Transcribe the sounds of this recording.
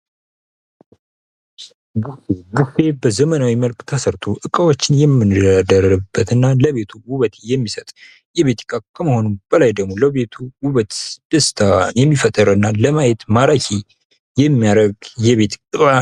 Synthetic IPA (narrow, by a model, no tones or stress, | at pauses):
ɡufeɡufe̞bəzəmənawiməlkʼt̪ʰəsəɾt̪ʰo̞ʔɨkʼəwot͡ʃːɪnjɛmːɨnad̪əɾɨbːət̪ɨnːaləβe̞t̪ʰuwuβət̪ʰejɛmːisət̪ʼ | jɛβet̪ʰi̥kʼakʰəməho̞nub̥əlajd̪əɡmo̞ləβet̪ʰuwuβət̪d̪̥əst̪ʰajɛmːifət̪ʼːəɾɨnːaləmajɛt̪maɾakʰi | jɛmːijaɾəɡjɛβet̪ʰɨkʼa